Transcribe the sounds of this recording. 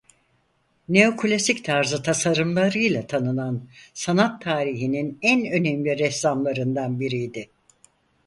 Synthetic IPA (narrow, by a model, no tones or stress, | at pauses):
ne̞o̞kʰulʲasict̪ʰaɾzɯt̪ʰasaɾɯmlˠaɾɯjlˠat̪ʰanɯnansanat̪ʰːaːɾiɦininænø̞nɛmlʲiɾɛslamlˠaɾɯnd̪anbiɾijd̪ɪ